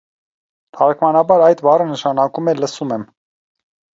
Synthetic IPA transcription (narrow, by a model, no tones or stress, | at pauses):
t̪ʰɑɾkʰmɑnɑbɑɾɑjt̪bɑrənəʃɑnɑkumɛləsumɛm